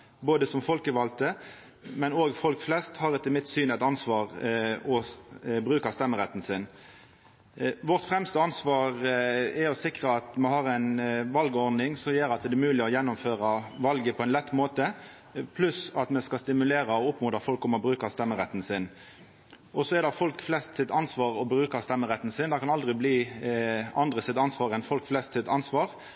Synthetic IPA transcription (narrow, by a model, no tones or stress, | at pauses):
boːd̪əsɔmfɔlkəʋɑlt̪ə | mɛnoːɡfɔlkflɛst̪hɑʁɪt̪əmɪt̪syːnæɪt̪ɑnsʋɑːʁɔbʁʉːkɑst̪ɛmːəʁɛt̪ːn̩sɪn | ʋɔʁt̪fʁɛmst̪əɑnsʋɑːʁɛɔsɪkʁəɑt̪mɛɦɑʁæɪnʋɑlɡəɔʁd̪nɪŋsɔmjøːɾɑt̪d̪ɛmʉːlɪɔjɛnːʊmføːʁɑʋɑlɡəpʰɔɛɪnlɛt̪ːmoːt̪ə | pʰlʉsɑt̪mɛskɑst̪ɪmʉleːɾɑɔʊpmʊːd̪ɑfɔlkɔmɔbɾʉːkɑst̪ɛmːəɾɛt̪ːn̩sɪn | ɔsɔɛd̪ɛfɔlkflɛst̪sɪt̪ɑnsʋɑːʁɔbɾʉːkɑst̪ɛmːəʁɛt̪ːn̩sɪnd̪ɑkʰɑnɑld̪ʁɪbliː | ɑnd̪ʁəsɪt̪ɑnsʋɑːʁɛnfɔlkflɛst̪sɪt̪ɑnsʋɑːʁ